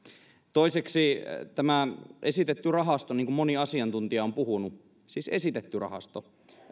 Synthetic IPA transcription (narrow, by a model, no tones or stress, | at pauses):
t̪oiseksit̪æmæʔesit̪et̪ːyrɑɦɑst̪oniːŋkummoniɑsiɑnt̪unt̪iɑompuhunu | siːsesit̪et̪ːyrɑ̰hɑ̰st̪o